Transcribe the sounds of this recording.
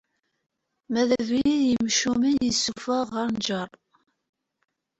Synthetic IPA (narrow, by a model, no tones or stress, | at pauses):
mæðæviiðjəmʃuminjəsːufəʁəɾnd͡ʒərˤ